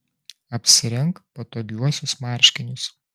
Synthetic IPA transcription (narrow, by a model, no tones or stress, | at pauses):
ɐpʲsʲɪɾʲɛŋˑkpɐt̪oːɡʲuɔsʲʊsmɑˑɾʲˑʃʲkʲɪnʲʊs